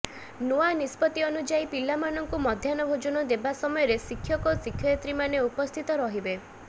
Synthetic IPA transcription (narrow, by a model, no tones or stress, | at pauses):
nuanispɔt̪iɔnud͡ʒaipilamanɔŋkumɔd̪ʱjanɔbʱod͡ʒɔnɔd̪ebasɔmɔjɔɾesikʰːjɔkɔsikʰjɔjat̪ɾimaneupɔst̪ʰit̪ɔɾɔɦibe